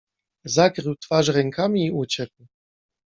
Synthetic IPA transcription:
zakɾɘwt̪faʂɾɛŋkʰamʲiːʔut͡ɕɛkw

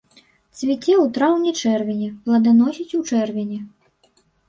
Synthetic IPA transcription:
t̪sʲvʲit͡sʲɛwt̪ɾawnʲɛt͡ʂɛrvʲɛnʲɛplˠɐd̪anɔsʲit͡sʲut͡ʂɛrvʲɛnʲɛ

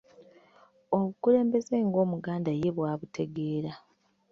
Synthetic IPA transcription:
o̞βukule̞ːmbe̞ze̞ŋɡo̞ːmuɡaːndaje̞βwaːβutʰe̞ɡe̞ːɾa

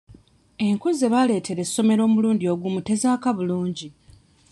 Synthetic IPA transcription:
e̞ŋkuze̞βale̞ːtʰe̞ɾe̞sːo̞me̞ɾo̞ːmuluːndio̞ɡumute̞zaːkaβuluːɲɟi

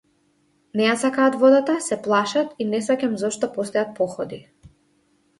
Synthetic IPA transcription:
nɛjasakaːt̪vɔd̪at̪asɛplˠaʃat̪inɛsacʲamzɔʃt̪ɔpɔst̪ɛjat̪̚pɔxɔd̪i

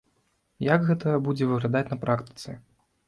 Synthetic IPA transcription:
jaɡɣɛt̪ɐjɐbud͡zʲɛvɨɣlʲad̪at͡sʲnɐpɾʔakt̪ɨ̥t̪sɨ

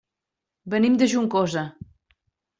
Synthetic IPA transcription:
bənimd̪əʒuŋkozə

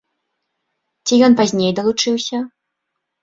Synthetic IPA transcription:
t͡sʲijɔnpazʲnʲejd̪ɐlˠut͡ʂɨwsʲɐ

